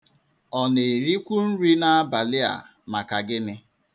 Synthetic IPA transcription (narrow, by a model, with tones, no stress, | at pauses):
ɔ˨ne˨ɾi˦kʷu˦n̩˦ɾi˦na˦a˦ba˨lɪ˦a̰˨ | ma˨ka˨ɡɪ˦nɪ˦